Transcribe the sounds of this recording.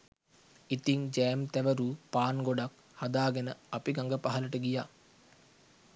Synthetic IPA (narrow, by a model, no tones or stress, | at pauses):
it̪iŋd͡ʒæːmt̪æʋəɾuːpaːnɡoɖak | hɐd̪aːɡenəɐpiɡaŋɡəpaɦɐləʈəɡijaː